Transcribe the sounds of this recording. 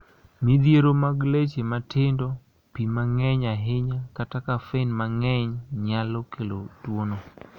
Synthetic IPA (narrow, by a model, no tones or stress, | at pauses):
mid̪jeɾomaɡlet͡ʃematʰɪndɔ | pimaŋɛɲaɦɪɲakatakafenmaŋɛɲɲalɔkʰelotwono